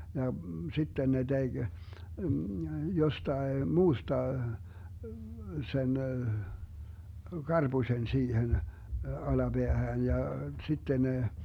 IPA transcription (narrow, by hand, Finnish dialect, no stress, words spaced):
jɑ sitːen ne d̥eɡ̊ jostɑe muːstɑ sen ɡ̊ɑrb̥usʲen siːhen ɑlɑb̥eæhæːn jɑ sitːen ne